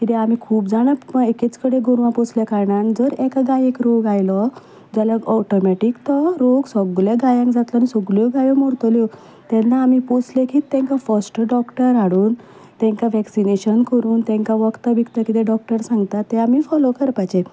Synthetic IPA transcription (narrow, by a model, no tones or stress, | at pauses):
kit̪eam̤ikʰuːpd͡zaɽ̃apeket͡skəɽeɡoɾʋãpot͡sljakaɾɳand͡zəɾɛkaɡajekɾoɡajlɔ | d͡ʑalaɔʈomɛʈikt̪ɔɾoɡsɔɡljaɡajãŋkd͡zat̪lanisɔɡljɔɡajɔmɔɾt̪ljɔ | t̪ɛnːaːmipot͡slekiːt̪ːɛ̃ŋkafəɾsʈɖɔkʈəɾaɽuːn | t̪ɛ̃ŋkaʋɛksineɕənkəɾuːnt̪ɛ̃ŋkaʋəkt̪abʱikt̪akit̪eɖɔk̚ʈəɾsãŋɡt̪at̪ːeamiːfɔlokəɾpajt͡ɕe